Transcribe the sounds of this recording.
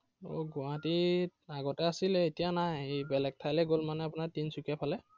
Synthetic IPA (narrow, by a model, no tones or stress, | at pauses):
o̰ɡʊãtiaɡɔtɛasilɛːtijanajebɛlɛk̚tʰajlɛɡolmanɛapʊnaɹtinsukapʰalɛ